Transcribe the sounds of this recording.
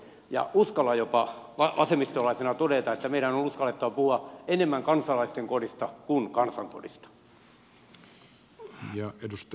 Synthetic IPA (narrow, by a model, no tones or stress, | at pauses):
jɑ̰ʔuskɑlːɑjopɑʋɑʋɑsemːist̪olɑisenɑt̪odet̪ɑet̪ːæmeiɾænonuskɑlːet̪ːɑʋɑpuhuɑenemːæŋkɑnsɑlɑist̪eŋkodist̪ɑkunkɑnsɑŋko̰dḭst̪ɑ̥ | jɑedust̪